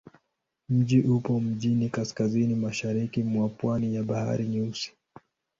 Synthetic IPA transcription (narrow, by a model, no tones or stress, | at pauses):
m̩ʄiʔupɔm̩ʄinikaskazinimaʃaɾikimwapwanijaɓaha̰ɾiɲusi̥